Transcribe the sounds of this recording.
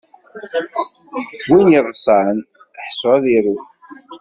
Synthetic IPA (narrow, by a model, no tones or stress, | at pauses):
winjiðˤəsˤan | əħsoæðiɾu